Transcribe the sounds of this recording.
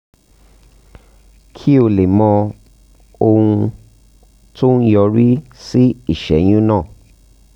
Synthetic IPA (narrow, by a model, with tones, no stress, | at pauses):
kʰi˦o˧˨le˨mɔ̃˧ | o˧hũ˧ | to˦n̩˦jɔ˧ɾi˦si˦i˦˨ʃɛ̰˨j̃ũ˦nãː˦˨